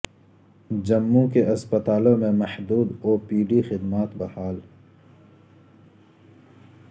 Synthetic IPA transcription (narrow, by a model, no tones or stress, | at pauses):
d͡ʒɐmːũkeʔɐspət̪aːlõmẽmɐhd̪uːd̪oːpiːɖixɪd̪maːt̪bɐhaːl